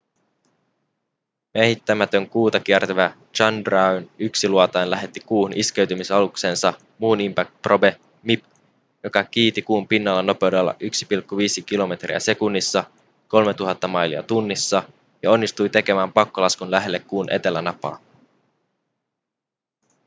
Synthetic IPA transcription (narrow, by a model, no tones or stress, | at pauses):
mehit̪ːæmæt̪ø̞ŋkuːt̪ɑk̟iert̪æʋæ | t͡ʃɑndrɑynyksiluɑt̪ɑjnlæɦe̞t̪ːikuːhunʔiske̞ɥt̪ymisɑlukse̞ːnsɑ | muːnimpæk̚t̪̚probe̞ | mip | jo̞kɑk̟iːt̪ikuːmpinːɑlːɑno̞pe̞wdelːɑ̰ʔyksi̥pilkːuʋiːsik̟ilo̞me̞t̪rḭæ̰se̞kunːisːɑ | ko̞lmet̪uɦɑt̪ːɑmɑjliɑ̰t̪unːisːɑ | jɑo̞nːist̪ujt̪e̞ke̞mæːmpɑkːolɑskunlæɦelːekːuːnʔe̞t̪e̞lænɑpɑ̰ː